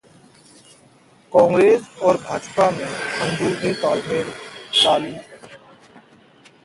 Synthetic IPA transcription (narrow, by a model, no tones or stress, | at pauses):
kɔŋɾesoɾbʱad͡ʑpameaŋd̪uɾnit̪ɔlmeɾʃali